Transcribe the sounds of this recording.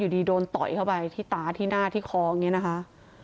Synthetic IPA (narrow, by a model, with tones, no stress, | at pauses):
uː˨˩iː˧doː˧nt̪ɔ̰˨˩jkʰa˥˩wpa˧jt̪ʰiː˥˩t̪aː˨˦t̪ʰiː˥˩naː˥˩t̪ʰiː˥˩kʰɔː˧a˧˩ŋːi˦˥na˦˥kʰa˦˥ʔ